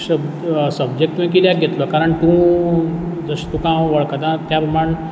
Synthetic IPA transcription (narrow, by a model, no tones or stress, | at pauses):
səb | səbd͡ʑek̚ʈ̪ũĩk̬iljakɡʱet̪lɔkaɾəɳt̪ũ | d͡zəɕt̪ũkãʋəɭkəd̪ãt̪japɾəmaɳ